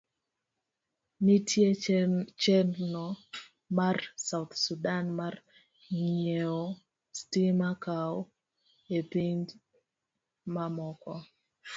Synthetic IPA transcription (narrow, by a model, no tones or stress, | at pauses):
mitʰjet͡ʃɛnnɔ | marsaʊt̪sudanmar | ŋieo | stimakaɔ | epiɲd͡ʒ | mamɔkɔ